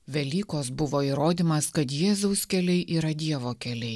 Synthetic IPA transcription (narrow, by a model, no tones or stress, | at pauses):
ʋʲɛlʲiːkoːsbʊʋoːiːɾoːd̪ʲiːmɐskɐt̪jeːzɐʊskʲɛlʲɛɪʔiːɾɐd̪ʲiɛʋoːkʲɛlʲɛɪ